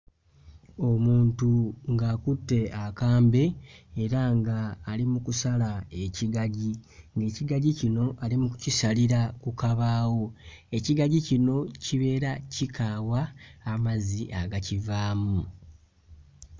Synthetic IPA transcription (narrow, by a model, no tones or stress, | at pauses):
o̞muːntuŋɡaːkutːe̞akaːmbe̞ːɾaŋɡaːlimukusalae̞ciɡaɟiŋɡe̞ːciɡaɟicino̞ʔalimukucisaliɾakukaβaːwo̞e̞ciɡaɟicino̞ciβe̞ːɾacikaːwaːmaziʔaɡacivaːmu